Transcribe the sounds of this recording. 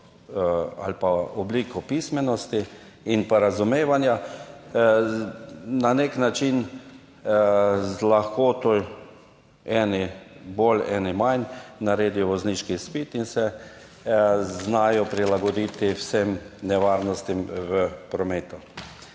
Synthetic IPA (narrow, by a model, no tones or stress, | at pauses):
a̰lpaɔbliːkɔpismɛnɔst̪i | inpaɾazumeːʋanja | naneknat͡ʃin | laxkoːt̪oj | ɛːnibolɛːnimannaɾeːd̪ijɔʋɔzniːʃkispit̪insɛ | znaːjɔpɾilaɡɔd̪it̪iwsemnɛʋaɾnɔst̪imʋəpɾɔmeːt̪ʊ